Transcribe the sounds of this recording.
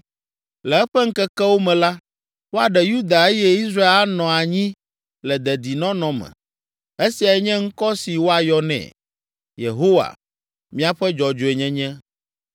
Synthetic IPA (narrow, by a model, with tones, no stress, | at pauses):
lɛ˨ɛ˦ɸɛ˦ŋ̩˦kɛ˦kɛ˦wo˦mɛ̃˨la˦ | wo˦a˨ɖɛ˨ju˦d̪a˨e˦jɛ˦i˦sɾa˦e˦nɔ̃˨a˨ɲĩ˦ | lɛ˨d̪ɛ˨d̪i˨nɔ̃˦nɔ̃˨mɛ̰̃˨ | e˦si˨a˨ɛ˦ɲɛ̃˦ŋ̩˦kɔ˦si˨wo˦a˨jɔ˦nɛ̰̃˨ | jḛ˨ɦo˦wa̰˨ | mĩ˦a˨ɸɛ˦d͡ʒɔ˨d͡ʒo˨e˨ɲɛ̃˦ɲɛ̃˦